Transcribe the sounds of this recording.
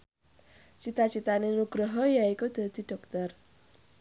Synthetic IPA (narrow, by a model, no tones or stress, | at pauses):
t͡ʃit̪at͡ʃit̪anenuɡ̥ɾɔɦɔjaikod̪̥ə̤d̪̥i̤ɖ̥ɔk̚t̪ɔr